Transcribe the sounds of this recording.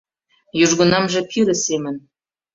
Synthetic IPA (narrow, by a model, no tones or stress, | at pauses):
juʒɣə̆nɑmʒĕt̪ʰilĕsemə̆n